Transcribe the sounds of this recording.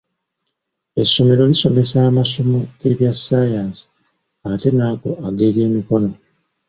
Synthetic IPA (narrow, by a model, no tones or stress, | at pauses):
e̞sːo̞me̞ɾo̞liso̞me̞saːmasomoɡ̥e̞βjasːajaːnsi̥ | ate̞naːko̞aɡe̞ːβje̞ːmiko̞no̞